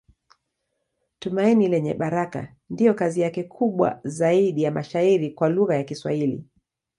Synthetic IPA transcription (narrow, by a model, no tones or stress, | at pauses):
tumainilɛɲɛ̰ɓaɾaka̰ | ndijɔkazijakɛkʰuɓwa̰zaiɗijamaʃaiɾikwaluɣajakiswa̰hilḭ